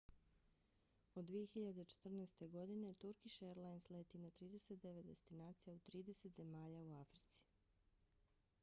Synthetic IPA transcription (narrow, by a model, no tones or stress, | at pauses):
od̪ːʋijexiʎad̪e̞t͡ʃe̥t̪r̩nɛːst̪e̞ɡo̞d̪inet̪uɾkiʃeɾlˠajnsleːt̪inat̪ɾiːd̪e̞set̪̚d̪e̞ʋe̞t̪d̪e̞̰st̪inaːt̪sijaut̪ɾiːd̪e̞se̞t̪ze̞maːʎauafɾi̥t̪si̥